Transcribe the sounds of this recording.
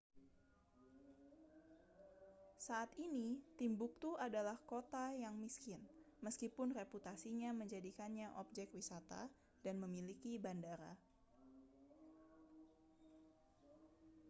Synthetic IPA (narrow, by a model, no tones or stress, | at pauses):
saʔːt̪init̪imbuk̚t̪uadalahkot̪ajaŋmiskɪn | məskipʊnreput̪asiɲaməɲd͡ʒadikanɲaʔɔp̚d͡ʒɛkwisat̪a̰ | danməmilikibandaɾa̰